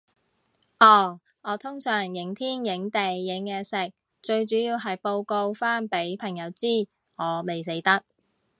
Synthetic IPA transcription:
ʔɔː˧˩ | ŋɔː˨˧t̪ʰʊ˥ŋsœː˨˩ŋjɪ˨˥ŋt̪ʰiː˥njɪ˨˥ŋt̪e˨jːɪ˨˥ŋjɛː˧sɪ˨k̚ | t͡ʃɵ˧ɥt͡ʃyː˨˥jiː˧wɦɐ˨jpo˧wko˧wfaː˥npe˨˥jpʰɐ˨˩ŋjɐ˨˧˥wt͡siː˥˩ | ŋɔː˨˧me˨js̬e˨˥jt̪ɐ˥k̚

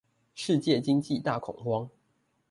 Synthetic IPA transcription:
ʂɻ̩˥˧t͡ɕjɛ˥˨˩t͡ɕi˦ŋt͡ɕi˥˨t̪a˥˩kʰʊ̰˨˩ŋxwɑ˦ŋ

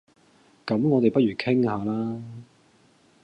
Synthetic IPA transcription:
kɐ˨˥mŋɔː˨˧t̪e˨jpɐ˥t̚ɥyː˨˩kʰɪ˥ŋhaː˨˧laː˥

